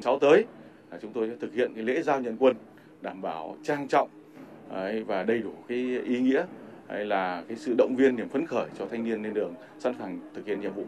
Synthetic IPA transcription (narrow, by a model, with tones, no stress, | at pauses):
sa˨˦wt̪əː˨˦j | aː˨˩t͡ɕʊ˨˦ŋ͡mt̪o˧jsɛː˧˥t̪ʰɨ˨˩k̚hḭ˧˨ənkaː˨˦jlḛ˧˥zaː˧wɲə̰˧˨nkwə˧n | ɗaː˧˩mɓaː˧˩wt͡ɕaː˧ŋt͡ɕɔ̰˧˨wŋ͡m | ʔə˨˧˩jvaː˨˩ɗə˧jɗu˧˩kaː˨˦jʔi˨˦ŋḭ˧˥əha˧jlaː˨˩kaː˨˦jsɨ̰˧˨ɗə̰˧˨wŋ͡mvi˧ənːi˨˩əmfə˨˦nxəː˧˩jt͡ɕɔ˧t̪ʰa˧jŋ̟ni˧ənːe˧nɗɨ˨˩əŋ | sa̰˧˥nfaː˨˩ŋt̪ʰɨ˨˩k̚hḭ˧˨ə˨ɲḭ˧˨əmvṵ˧˨